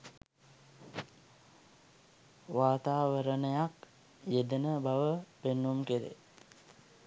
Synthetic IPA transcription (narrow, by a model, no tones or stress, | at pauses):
ʋaːt̪aːʋəɾənəjak | jed̪ənəbaʋəpenːumkeɾḛ